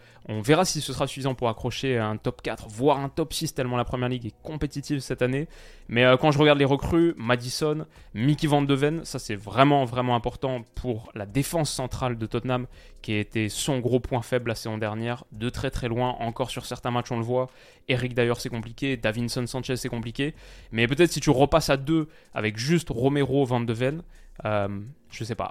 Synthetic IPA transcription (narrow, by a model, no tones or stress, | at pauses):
ɔ̃vɛʁasisəsəʁasy̥fizɑ̃puʁakχɔʃeɛ̃t̪ɔpkʲat̪χəvwaʁɛ̃t̪ɔpsist̪ɛlmɑ̃lapχəmjɛʁliɡɛkɔ̃pet̪it̪ivsɛt̪ane | mɛøkɑ̃ʒəʁəɡaʁd̪leʁəkχymad̪isɔn | mikʲivɑ̃d̪əvɛnsasɛvʁɛmɑ̃vʁɛmɑ̃ɛ̃pɔʁt̪ɑ̃pʰuʁlad̪efɑ̃sːɑ̃t̪χald̪ət̪ɔt̪nam | kʲiaet̪ɛsɔ̃ɡʁopwɛ̃fɛblasezɔ̃d̪ɛʁnjɛʁd̪ət̪χɛt̪χɛlwɛ̃ʔɑ̰̃kɔʁsyʁsɛʁt̪ɛ̃mat͡ʃɔ̃ləvwa | eʁik̚d̪ajœʁsɛkɔ̃plikʲed̪avinsɔnsɑ̃t͡ʃɛzsɛkɔ̃plikʲemɛpøt̪ɛt̪χsit̪yʁəpasad̪ø | a̰vɛkʒyst̪ʁɔmeʁovɑ̃d̪əvɛn | øm | ʒ̥əsɛpa̰